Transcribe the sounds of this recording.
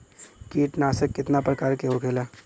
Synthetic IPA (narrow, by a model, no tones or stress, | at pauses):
kiːʈnaːsəkːɪt̪napɾəkaːɾkeɦokʰeːla